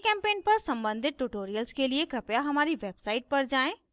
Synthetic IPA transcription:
kɛ̃ːmpeːnpɐɾsɐ̃mbə̃nd̪ʱɪt̪̚ʈuʈoːɾijəlskeliekɾɐpjaɦɐmaːɾiʋeːbsaːɪʈ̚pɐɾd͡ʒaːẽː

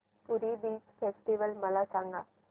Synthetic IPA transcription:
puɾibiːt͡ɕfesʈiʋəlməlasãŋɡa

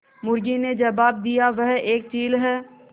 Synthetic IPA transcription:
mʊɾɡined͡ʒɐbaːb̚d̪ijaʋɐɦeːk̚t͡ʃiːlɦɛː

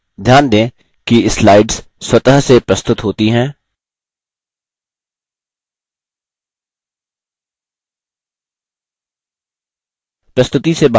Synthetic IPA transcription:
d̪ʱjaːnd̪ẽː | kiɪslaːɪɖz̥ | swɐt̪əɦsepɾɐst̪ʊt̪ɦoːt̪iɦɛ̃ː | pɾɐst̪ʊt̪iseba

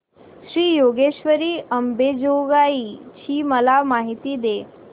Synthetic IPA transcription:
ɕɾiːjoɡeɕʋəɾiːʔəmbed͡ʑoɡait͡ɕiːməlamaɦit̪iːd̪e

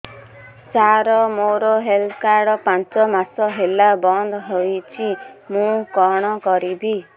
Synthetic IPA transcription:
saɾɔmoɾɔɦelt̪ʰkaɾɽɔpãnt͡ʃɔmasɔɦelabɔnd̪ɦojt͡ʃʰimũkɔɽ̃ɔkɔɾibi

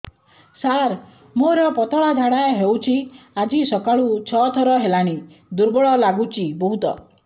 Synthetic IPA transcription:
saɾ | moɾɔpɔt̪ɔɭad͡ʒʱaɽaeɦewt͡ʃʰiad͡ʒisɔkaɭut͡ʃʰɔt̪ʰɔɾɔɦelaɽ̃i | d̪uɾbɔɭɔlaɡut͡ʃʰibɔɦut̪ɔ̰

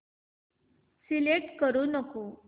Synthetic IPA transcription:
sileʈkəɾunəku

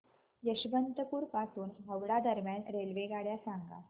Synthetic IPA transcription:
jəɕbənt̪əpuːɾpasuːnɦəwɽad̪əɾmjanɾelʋeɡaɽjasaŋɡa̰

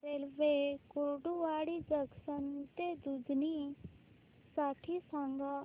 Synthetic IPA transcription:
elʋekoɖuʋaːɽid͡ʒəɡsənt̪ed̪ud͡ʒni | saʈʰisãŋɡa

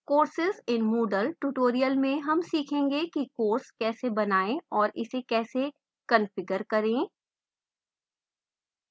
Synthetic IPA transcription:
koːɾsɪzɪ̃nmoːɖəlʈuʈoːɾijəlmẽɦɐmsiːkʰẽːŋɡekikoːɾskɛːsebɐnaːẽɔːɾɪ̰sekɛːse | kɐnfɪɡəɾkɐɾẽː

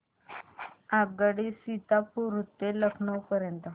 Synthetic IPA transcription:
ab̚ɡaɽisit̪apuɾut̪ːeləkʰɳəwpəɾjənt̪ə

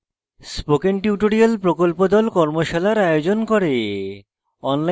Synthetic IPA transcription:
spokenʈjuʈoɾialpɾokolpod̪ɔlkɔɾmoʃalaɾajod͡ʑonkɔɾe | ɔnla

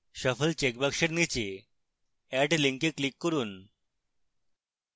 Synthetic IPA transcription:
ɕəfəlt͡ɕek̚bakɕəɾnit͡ɕe | æʈliŋkekːlikːəɾuːn

